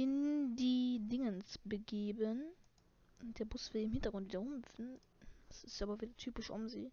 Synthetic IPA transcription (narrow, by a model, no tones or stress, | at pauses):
ɪndiːdɪŋənsb̥əɡeːbən | ʊn̚d̥eːɐbʊsv̥iːdɐɪmhɪntɐɡʁʊntviːdɐʊmfn̩ | sɪstʔaːbɐviːdɐtʰyːpɪʃʔʊ̰mzḭː